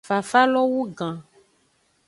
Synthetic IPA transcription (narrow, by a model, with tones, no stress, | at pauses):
fa˨fa˦lɔ˦wu˦ɡã˨